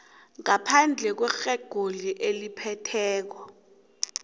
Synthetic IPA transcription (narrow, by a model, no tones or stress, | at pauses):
ŋapʰand͡ɮʱɛk̬wɛxɛɡ̥ʱoliʔelipʰɛtʰɛːk̬ɔ